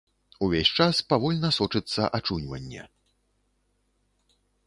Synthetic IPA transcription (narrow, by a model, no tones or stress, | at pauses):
uvʲesʲt͡ʂaspavɔlʲnɐsɔt͡ʂɨt̪sːɐʔat͡ʂunʲvɐ̰nʲːɛ̰